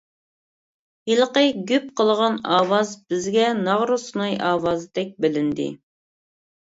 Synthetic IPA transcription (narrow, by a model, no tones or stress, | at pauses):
ilˠəqəɡʲyp̚qʰəlˠʁɑnɑːwɑzbɪzɡʲɛnɑʁɾusnɑjɑːwɑːzt̪ɛk̚ʲbɪlɪnd̪ɪ̰